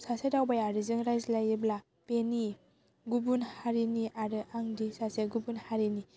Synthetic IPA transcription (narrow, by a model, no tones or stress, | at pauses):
sasedawbajaɾɯzɯŋɾajzlajibla | peni | ɡubunhaɾiniʔaɾɯʔaŋdisaseɡubunhaɾini